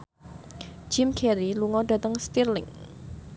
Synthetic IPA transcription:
d͡ʒ̥ɪmkʰɛɾiluŋɔdat̪əŋst̪irlɪ̰ŋ

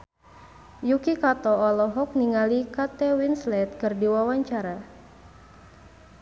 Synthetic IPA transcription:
jukikat̪ɔːlɔɦɔk̚niŋalikat̪ɛwinslɛt̪̚kɨrdiwawaɲt͡ʃaɾa

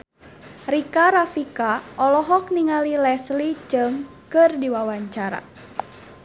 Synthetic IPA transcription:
rikaɾafikaʔɔlɔɦɔk̚niŋalilɛslid͡ʒəŋkərdiwawaɲt͡ʃaɾa̰

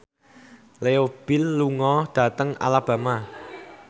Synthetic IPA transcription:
leob̥ɪlːuŋɔɖ̥ä̤t̪əŋa̰lab̥a̤ma

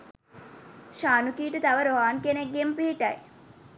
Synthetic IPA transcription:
ʃaːnukiːʈət̪aʋəɾoɦaːnkeneɡːempiɦiʈɐ̰j

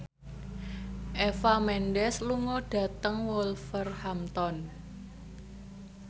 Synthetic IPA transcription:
ʔefamɛnɖɛsluŋɔɖ̥ä̤t̪əŋwɔlfərhamt̪ɔn

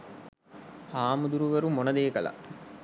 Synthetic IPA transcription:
haːmud̪uɾuʋeɾumonɐd̪eːkɐlɐ̰

